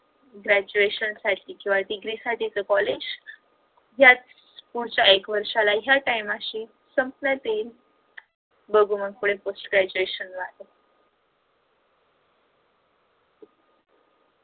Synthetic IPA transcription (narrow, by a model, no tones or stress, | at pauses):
ɡɾæd͡ʑueɕənsaʈʰiːkĩʋaɖiɡɾisaʈit͡səkɔled͡ʑ | jat͡s | puɽt͡ɕjaekʋəɾʂalajaʈajmaɕiː | səmpnat̪el | bəɡʱuməɡkuɽ̃ẽposʈɡɾæd͡ʑueɕənʋat̪ə